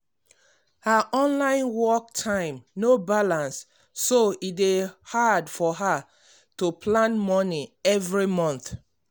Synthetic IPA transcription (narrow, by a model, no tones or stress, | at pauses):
haʔɔ̃nlãɪ̃nwɔk̚tʰãɪ̃mnobalãnsː | oidehadfɔɦa | topʰlãnmɔniɛvɹimɔ̃nθ